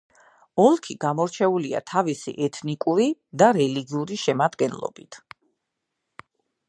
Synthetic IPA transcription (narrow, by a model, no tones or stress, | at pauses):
ɔlˠkʰiɡ̥amɔɾt͡ʃʰɛulia̰t̪ʰavisḭʔɛt̪ʰnikʼuɾid̪aɾɛliɡiuɾiʃɛmad̪ɡɛnlˠɔ̰bit̪ʰ